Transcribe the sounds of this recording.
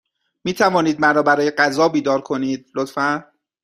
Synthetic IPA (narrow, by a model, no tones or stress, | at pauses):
miːt̪ʰævɒːniːd̪̚mæɾɒːbæɾɒːjeɢæzɒːbiːd̪ɒːɾkʰo̞niːd̪̚lot̪fæn